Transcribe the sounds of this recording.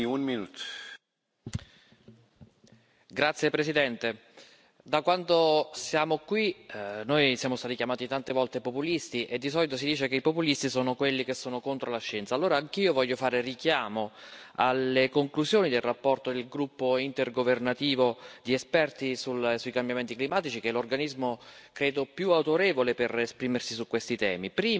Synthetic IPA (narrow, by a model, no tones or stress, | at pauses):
unminut̪ | ɡɾat̪sːjepɾesid̪ɛnt̪e | d̪akwant̪osjaːmokwinojsjaːmost̪aːt̪ikjamaːt̪it̪ant̪evɔlt̪epopulist̪iʔed̪ːisɔlit̪os̬id̪iːt͡ʃekeipopulist̪isoːnokwelːikesːoːnokont̪ɾolaʃːɛnt̪salːoːɾaːŋk̟iːovɔʎːofaːɾerik̟jaːmoalːekoŋkluzjoːnid̪elrapːɔrt̪od̪elɡɾupːoint̪erɡovernat̪iːvod̪iɛspɛrt̪isulsuikambjament̪iklimaːt̪it͡ʃikelːorɡanizmokɾeːd̪opjuawt̪oɾɛːvoleperespɾiːmersisukːwest̪it̪ɛ̰ːmipɾiː